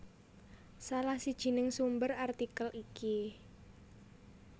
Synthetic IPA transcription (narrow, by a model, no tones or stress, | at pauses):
salahsid̥ʒ̥i̤nɪŋsumbərart̪ikəlʔiki